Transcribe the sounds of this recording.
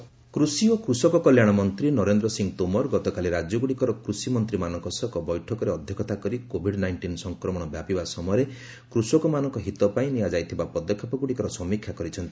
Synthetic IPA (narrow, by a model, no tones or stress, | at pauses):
kɾusiokɾusɔkɔkɔljaɽ̃ɔmɔnt̪ɾinɔɾend̪ɾɔsiŋt̪omɔɾɡɔt̪ɔkaliɾad͡ʒɔɡuɽikɔɾɔkɾusimɔnt̪ɾimanɔ̃ŋkɔsɔkɔbɔjʈʰɔkɔɾeɔd̪ʱjɔkʰɔt̪akɔɾikobʱiɖnajɳʈinsɔŋkɾɔmɔɽ̃ɔbjapibasɔmɔjɔɾe | kɾusɔkɔmanɔŋkɔɦit̪ɔpaĩnijad͡ʒajt̪ʰibapɔd̪ɔkʰːapɔɡuɽikɔɾɔsɔmikʰjakɔɾit͡ʃʰɔnt̪i̥